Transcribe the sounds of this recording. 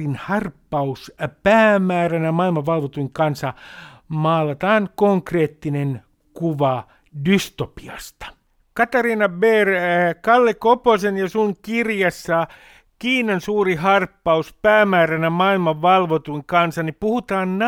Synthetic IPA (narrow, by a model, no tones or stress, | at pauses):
inhɑrpːɑuspæːmæːrænæmɑilmɑʋʋɑlʋot̪uiŋkɑnsɑmɑːlːet̪ɑːnkoŋkreːt̪ːinen | kuʋɑ | dyst̪opiɑst̪ɑ̥ | kɑt̪ɑriːnɑbeːrkɑlːekoposenjɑsuŋkirjɑsːɑ | kiːnɑnsuːrihɑrpːɑuspæːmæːrænæmɑilmɑʋːɑlʋot̪uiŋkɑnsɑnipuhut̪ɑːnn